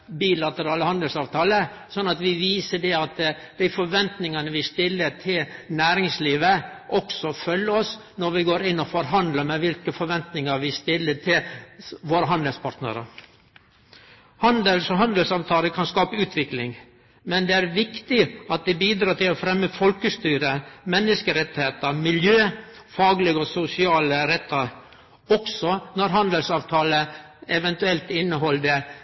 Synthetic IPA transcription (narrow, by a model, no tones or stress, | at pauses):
biːlɑt̪əɾɑːləhɑnd̪əlsɑːʋt̪ʰɑːlə | sɔnːɑt̪ʋɪʋiːsəɖɛɑt̪ | d̪̥æɪfɔɾʋɛnt̪nɪŋənəʋɪst̪ɪlːəʈʰɪlnæːɾɪŋsliːʋəʔɔksɔfœlːəɔs | nɔɾʋɪɡoːɾɪnːɔfɔɾɦɑnd̪ləmɛʋɪlkəfɔɾʋɛnt̪nɪŋəɾʋɪst̪ɪlːəʈʰɪlʋoːɾəɦɑnd̪əlspʰɑɾʈ̪nə̰ɾə̰ | hɑnd̪əlsɔɦɑnd̪əlsɑːʋt̪ʰɑːləkʰɑnskɑːpəʉːt̪ʰʋɪklɪŋ | mɛnd̪ɛæɾʋɪkt̪ɪɑt̪̚d̪ɛbiːd̪ɾɑːt̪ɪlɔfɾɛmːəfɔlkəst̪yːɾəmɛnːəskəɾɛt̪ːɪheːt̪əɾmɪljøː | fɑːɡlɪɡəɔsʊsɪɑːləɾɛt̪ːəɾ | ɔksɔnɔɾɦɑnd̪əlsɑːʋt̪ʰɑːlə | ɛʋɛnt̪ʉɛlt̪ɪnːəɦɔld̪ə